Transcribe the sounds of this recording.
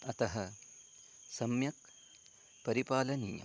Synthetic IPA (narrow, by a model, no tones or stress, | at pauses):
ɐt̪ɐɦɐ | sɐmjɐk̚ | pɐɾipaːlɐnḭjɐ̰